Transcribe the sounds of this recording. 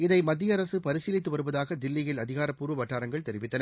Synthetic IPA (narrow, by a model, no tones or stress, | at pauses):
ɪðɐɪmɐd̪ːɪjɐɾɐsɯpɐɾɪsiːlɪt̪ːɯʋɐɾɯʋɐðaːɣɐd̪ɪlːɪjɪlɐðɪɣaːɾɐpːuːɾɯʋɐʈːaːɾɐŋɡɐɭt̪ɛɾɪʋɪt̪ːɐnɐ